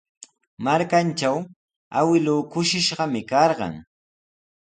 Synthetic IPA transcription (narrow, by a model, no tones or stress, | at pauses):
maɾkant͡ʃaw | a̰wɪlʊːkʊʃɪʃɢɑmɪkɑɾɢɑ̰ŋ